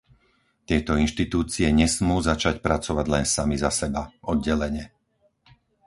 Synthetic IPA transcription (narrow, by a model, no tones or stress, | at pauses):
t̪ɪɛt̪ɔinʃt̪it̪uːt͡siɛɲɛsmuːzat͡ʃacpɾat͡sɔʋaɟlɛnsamizasɛbaɔd̪̚ɟɛlɛɲɛ